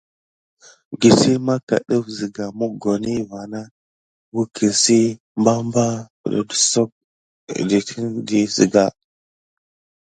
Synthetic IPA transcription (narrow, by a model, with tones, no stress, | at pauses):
ɡi˨si˦ma˦ka̰˨ɗə˦fzi˨ɡa˨mu˦ɡo˨ni˦va˨na˦ | wu˦kʰi˨nsi˦ | mba˦mba˦pə̰˨ɗa̰˨də̥˨so˦k̚ | di˨tʰi˦ndi˦zḭ˨ɡa˨